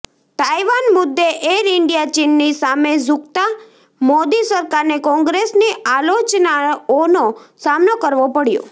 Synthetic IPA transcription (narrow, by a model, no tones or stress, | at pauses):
ʈ̪ajʋanmʊd̪ːeʔeɾɪɳɖijat͡ʃinːisamed͡ʒukt̪a | mod̪isəɾkaɾnekɔ̃ŋɡɾesniʔalot͡ʃnaonosamnokəɾʋopəɽjo̰